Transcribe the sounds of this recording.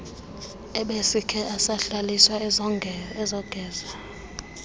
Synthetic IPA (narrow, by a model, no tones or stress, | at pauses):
ɛɓesikʰɛʔasaɬaliswa | ɛzɔɡ̥ʱɛːza